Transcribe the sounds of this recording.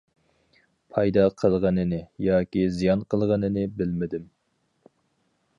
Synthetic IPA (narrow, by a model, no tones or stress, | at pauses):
pʰɑjd̪ɑqʰəlˠʁənɨnɨjɑːkʲizijɑnqʰəlˠʁənɨnɨbɪlmɪd̪ɪm